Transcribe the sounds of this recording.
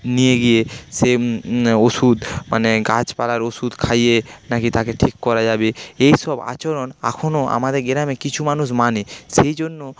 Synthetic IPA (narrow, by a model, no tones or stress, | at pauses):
nijeɡijese | osud̪maneɡat͡ɕpalaɾosud̪kʰajenakit̪akeʈʰikːɔɾad͡ʑabeejsɔba̰t͡ɕoɾona̰kʰonoa̰mad̪eɾɡeɾamekit͡ɕʰumanuʃmanisejd͡ʑonːo